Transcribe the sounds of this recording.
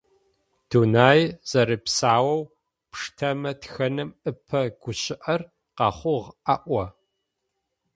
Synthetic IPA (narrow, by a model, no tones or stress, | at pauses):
d̥unaːjz̥ɐɾɨpsaːwɐw | pʂtʰɐmɐtxɐnɨmɨpʰɐɡ̥ʷʊɕɪʔɐr | qɑːχʷʊʁaʔʷɔ